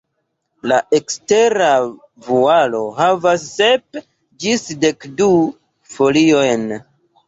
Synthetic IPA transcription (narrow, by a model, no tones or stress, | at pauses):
laʔekste̞ɾa | vualo̞ɦavasːep | d͡ʒisde̞kdu | fo̞lio̞jn